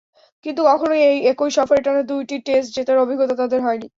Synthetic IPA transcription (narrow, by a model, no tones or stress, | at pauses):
kint̪ukɔkʰonoejekojʃɔfoɾeʈanad̪ujʈiʈesʈ̚d͡ʑet̪aɾobʱiɡːot̪ot̪ad̪eɾɦɔeni